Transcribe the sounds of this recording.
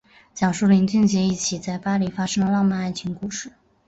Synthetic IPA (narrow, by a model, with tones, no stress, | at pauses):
t͡ɕjɑ˨˩ʊʂu˥˩li˧˥ŋt͡ɕy˥˧ŋt͡ɕjɛ˧˥i˥˩t͡ɕʰi˨˩t͡sa˥˩ɪpa˥li˧˥fa˥ʂɤ˥ŋlə˧lɑ˥˧ŋma˥˧a˥˩ɪt͡ɕʰi˧˥ŋku˥˧ʂɻ̩˥˩